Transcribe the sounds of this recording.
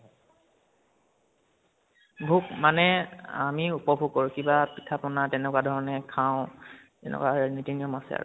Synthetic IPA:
bʱukmanɛamiupɔbʱuɡ̚kːoɹukibapitʰapɔnatɛnɛkwadʱɔɹɔnɛkʰaʊ̃ | tɛ̰nɛ̰kwanitiniɔmasɛa̰ɹu

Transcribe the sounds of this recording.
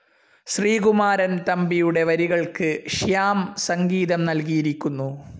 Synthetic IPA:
ɕriːɡumaːɾɐnt̪ɐmbijuɽe̞ʋɐɾiɣɐɭkɨɕjaːmsɐŋɡiːðɐmnɐlkijiɾikʲːunːu

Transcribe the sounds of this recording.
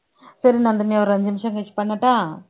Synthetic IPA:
sɐɾinɐnd̪ɐmiɐʋɐɾɐɲd͡ʒɐmɪʃɐŋɡɐt͡ʃːpɐɳːɐʈːaː

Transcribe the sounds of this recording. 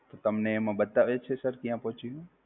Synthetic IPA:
t̪ot̪əmneːmãbət̪aʋet͡ʃʰesəɾkjãpɔɦt͡ʃiɦũ

